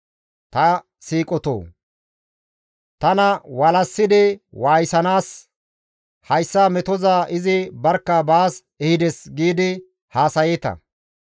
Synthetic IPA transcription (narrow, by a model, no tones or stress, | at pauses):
t̪ɐ | siːkʼɔt̪o̰ː | t̪ɐnɐwɐlɐsːɪd̪ɪwaːjsɐnaːs | hɐjsːamɛt̪ɔzaːʔɪzɪbɐɾkːɐbaːs | ɛhɪd̪ɛsɡiːd̪ɪ | haːsɐjɛt̪ɐ̰